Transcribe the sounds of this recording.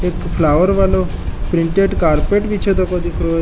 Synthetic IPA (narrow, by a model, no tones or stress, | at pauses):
ekpʰlaʋəɾʋalo | pɾiɳʈeɖkaɾpeʈʋit͡ʃʰed̪ɔkod̪ikʰɾo